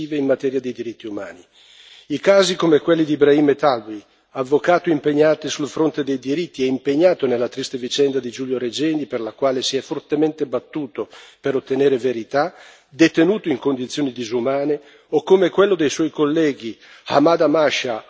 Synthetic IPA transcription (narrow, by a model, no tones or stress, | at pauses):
iːveinːat̪ɛːɾjad̪ejd̪iɾit̪ːiuma̰ːni | ikaːzikomekwelːid̪ibɾaiːmet̪albi | avːokaːt̪oimpeɲːaːt̪esulfɾont̪ed̪ejd̪iɾit̪ːiɛimpeɲːaːt̪onelːat̪ɾist̪evit͡ʃɛnd̪ad̪id͡ʒuːljoɾed͡ʒɛːniperlakwaːlesiɛfːort̪ement̪ebat̪ːuːt̪opeɾot̪ːeneːɾeveɾit̪a | d̪et̪enuːt̪oiŋkond̪it̪sːjoːnid̪izumaːne | okːomekwelːod̪ejswɔjkolːɛːɡi | a̰maːd̪amaʃa